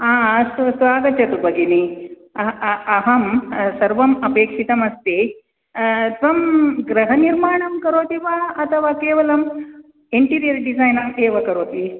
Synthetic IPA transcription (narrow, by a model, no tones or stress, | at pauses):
aːɐsusʋaːɡɐt͡ʃɐɾubɐɡini | ɐɐɦɐmsɐɾʋɐmɐpeːkʂit̪ɐmɐst̪e | t̪ʋɐmɡɾɐɦɐniɾmaːɳɐmkɐɾoːt̪iʋaɐt̪ʰɐʋaːkeːʋɐlɐm | eɳʈiːɾijɐɾɖizaːjnɐmeːʋɐkɐɾoːt̪i